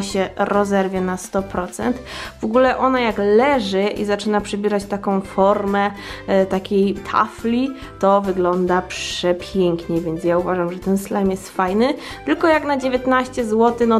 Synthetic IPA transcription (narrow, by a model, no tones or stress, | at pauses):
ɕɛɾɔzɛɾvʲjɛnast̪ɔpɾɔt̪sɛ̰nt̪vɔɡulɛʔɔnajaklɛʐɘʔḭzat͡ʂɘnapʂɛbʲiɾat͡ɕt̪akɔ̃w̃fɔɾmɛt̪akʲejt̪ʰa̰flʲi | t̪ɔvɘɡlɔnd̪apʂɛpʲjɛŋkɲɛvʲjɛnt̪sjauvaʐamʐɛt̪ɛnslamʲjɛst̪fajnɘ | t̪ɘlkɔjaknad͡ʑevʲjet̪naɕt͡ɕɛzwɔt̪ɘnɔ